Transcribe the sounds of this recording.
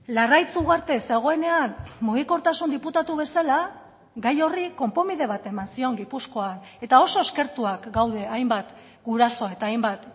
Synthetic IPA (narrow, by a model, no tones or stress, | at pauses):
larajt͡suɣaɾt̪e̞se̞ɣ̞o̞e̞ne̞anmuɣ̞iko̞ɾt̪asund̪iput̪at̪uβ̞e̞sala | ɡajo̞riko̞mpo̞mið̞e̞β̞at̪e̞mansio̞ŋɡipusko̞ane̞t̪ao̞so̞eske̞ɾt̪uakɡawðe̞ajmbat̪ | ɡuɾaso̞e̞t̪aːjmbat̪